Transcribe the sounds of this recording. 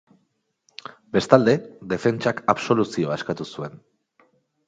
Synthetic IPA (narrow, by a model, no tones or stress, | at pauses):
be̞st̪ald̪e̞ðe̞fe̞nt͡ʃakaβso̞lusio̞aekat̪usue̞n